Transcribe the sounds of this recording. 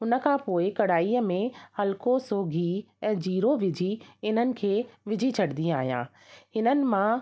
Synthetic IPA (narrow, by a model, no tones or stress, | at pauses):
ɦʊnə̆kʰãːpoːɪkɐɽaːiəmẽhɐlkosoːɡʱi | ɛ̃ːd͡ʑiːɾoʋɪd͡ʑʱiɪn̤ənɪ̆kʰeːʋɪd͡ʑʱit͡ɕʰɐɽd̪ĩaːɦijã̰ː | hɪnənɪ̆mã